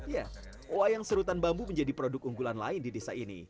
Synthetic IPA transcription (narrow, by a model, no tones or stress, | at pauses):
ja | wajaŋsəɾut̪anbambuməɲd͡ʒadipɾodʊk̚uŋɡulanla̰ɪndidesa̰inḭ